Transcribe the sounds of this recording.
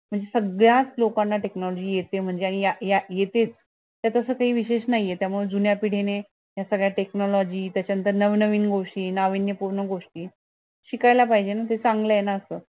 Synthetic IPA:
m̤əɳd͡zesəɡɭjat͡slokanːaʈeknɔlɔd͡ʑiːjet̪em̤əɳd͡zeaɽ̃ijajajet̪et͡s | t̪jat̪əsəːkaɦiːʋiɕeɕnaɦijjet̪jamuɭed͡zunjapiɽ̤ene | jasəɡɭjaʈeknɔlɔd͡ʑiːt̪jat͡ɕjaənt̪əɾnəʋnəʋiːnɡoʂʈiːnaʋinjəpuɾnəɡoʂʈiː | ɕikajlapaɦid͡ʑenat̪et͡sãŋɡləjenaəsəː

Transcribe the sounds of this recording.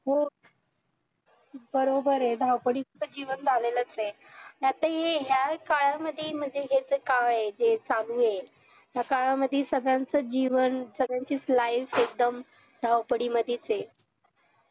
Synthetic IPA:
ɦo | bəɾobəɾɦed̪ʱawpəɽikət̪əd͡ʑiʋənd͡zʱalelət͡se | jat̪əɦeɦjakaɭaməd̪ʱːjem̤ənd͡zeɦet͡səkaʋɭed͡ʑet͡salũɦe | ɦjakaɭaməd̪ʱːjesəɡɭãnt͡səd͡ʑiʋənsəɡɭjãɲt͡ɕiːslaifek̚d̪əm | d̪ʱawpəɽiməd̪ʱjet͡se

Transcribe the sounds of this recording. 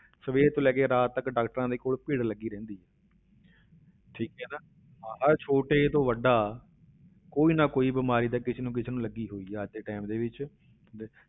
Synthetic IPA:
səʋeːɾt̪õːlɛːkeːɾaːt̪t̪ːəkɖaːkʈəɾãːd̪eːkoːlpɪːɽləɡːiːɾɛ̃ːnd̪iːɦɛː | ʈʰiːkɦɛːnaː | ãːɦəɾt͡ʃʰoːʈeːt̪õːʋəɖːaː | koːiːnaːkoːiːbɪmaːɾiːd̪aːkɪt͡ʃʰeːnũːk̬ɪt͡ʃʰeːnũːləɡiːɦoːiːɦɛːəd͡ʒd̪eːʈaːɪmd̪eːʋɪt͡ʃː

